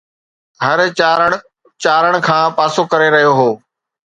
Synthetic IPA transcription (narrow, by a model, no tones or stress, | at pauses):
ɦɐɾːɾəɽ | t͡ʃaːɾəɽ̃̆kʰãːpaːsokɐɾeɾɐɦijoɦoː